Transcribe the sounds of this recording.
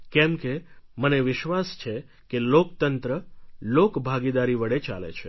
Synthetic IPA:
kɛmkeməneʋɪʃʋast͡ʃʰe | kelokt̪ənt̪ɾəlokbʱaɡid̪aɾiʋəɽet͡ʃa̰lḛt͡ʃʰe

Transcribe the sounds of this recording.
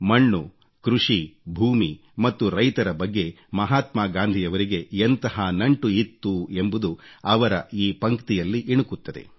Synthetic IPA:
mɐɳːu | kɾuʂibʱuːmi | mɐt̪ːuɾɐjt̪ɐɾɐbɐɡːe̞ | mɐɦaːt̪maːɡaːnd̪ʱijɐʋɐɾiɡe̞ent̪ɐɦɐnɐɳʈuit̪ːue̞mbud̪uɐʋɐɾɐiːpɐŋkt̪ijɐlːiʔiɳukut̪ːɐd̪e̞̰

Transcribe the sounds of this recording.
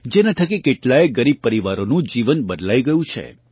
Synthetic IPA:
d͡ʒenat̪ʰəkikeʈlaeɡəɾib̚pəɾiʋaɾonũd͡ʒiʋənbəd̪lajɡəjũt͡ʃʰḛ

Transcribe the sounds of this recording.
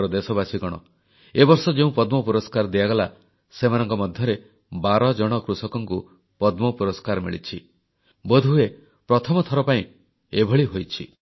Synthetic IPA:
ɾɔd̪esɔbasiɡɔɽ̃ɔ̰ | ebɔɾsɔd͡ʒeũpɔd̪mɔpuɾɔskaɾd̪iaɡɔla | semanɔŋkɔmɔd̪ʱjɔɾe | baɾɔd͡ʒɔɽ̃ɔkɾusɔkɔŋku | pɔd̪mɔpuɾɔskaɾmḭɭit͡ʃʰi | bɔd̪ʱue | pɾɔt̪ʰɔmɔt̪ʰɔɾɔpaĩ | ebʱɔɭiɦojt͡ʃʰḭ

